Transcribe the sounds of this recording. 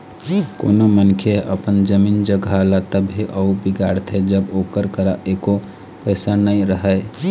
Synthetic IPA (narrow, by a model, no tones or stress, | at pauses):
ko̰ːnomənkʰeʔəpənd͡ʒəmiːnd͡ʒəɡʱalat̪əbɦiʔəubiɡaːɾt̪ʰed͡ʒəboːkəɾkəɾaʔeko | pəːsanəĩɾəɦɛ